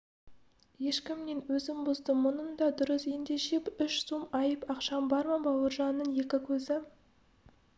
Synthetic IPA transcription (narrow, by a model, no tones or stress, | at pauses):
je̞ʃkʲɪmne̞nwɵzɪmbʊzd̪əmʊnənd̪ɑd̪ʊɾəsje̞nd̪e̞ʃe̞pʏʃsumɑjəpɑqʃɑnbɑɾmɑbɑwəɾʒɑnːəɴje̞kʲɪkʲʰɵzɪ